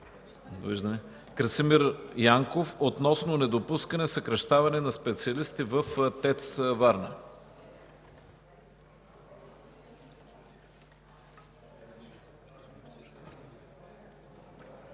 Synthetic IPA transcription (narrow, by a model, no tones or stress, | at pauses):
vḭʒd̪əmɛ | kɾəsimiɾjaŋkofot̪nɔsnonɛd̪opuskɐnɛsɐkɾɐʃt̪avɐnɛnɐspɛt̪siɐlist̪ivəft̪ɛt̪svaɾnə